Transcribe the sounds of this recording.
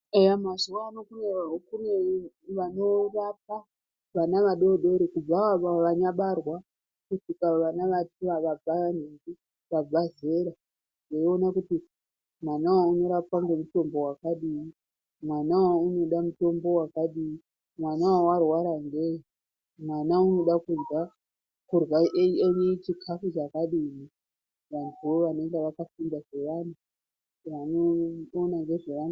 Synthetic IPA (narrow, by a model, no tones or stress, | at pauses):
ejamazuwaːnokuneaokune | ʋano̞rap̚a | ʋanaʋaɗo̞ɗo̞ɾekub͡vaaaʋaɲaɓarwa | kutikaʋanaʋatiʋaʋab͡vaanenɡi | ʋab͡vaze̞ɾa | deio̞nakuti | mwanawauno̞ɾapaŋɡe̞muto̞mbo̞wakaɗii | mwanawauno̞ɗamuto̞mbo̞wakaɗimi | mwanawawarwaɾaŋɡe̞ | mwanauno̞ɗakunɡa | kurwaʔeneit͡ʃikʰafut͡ʃakaɗini | ʋantʰuwo̞ʋane̞ŋɡeʋakafindaʐe̞ʋan̤u | ʋanoːnaŋɡe̞ʐeʋan